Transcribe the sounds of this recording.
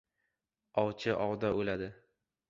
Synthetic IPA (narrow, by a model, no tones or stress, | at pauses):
ɒwt͡ʃʰɪʔɒwd̪aolad̪ɪ